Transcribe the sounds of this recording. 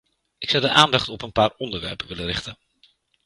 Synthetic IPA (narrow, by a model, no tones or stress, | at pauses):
ɪksɑwdəʔaːndɑχtɔpənpaːɹɔndəɹʋɛ̰ɹpəʋɪlərɪχtən